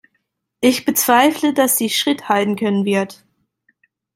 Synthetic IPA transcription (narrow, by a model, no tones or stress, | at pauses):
ʔɪçb̥ət͡sv̥aɪflədasz̥iːʃʁ̥ɪthaltn̩kʰœnənvɪɐt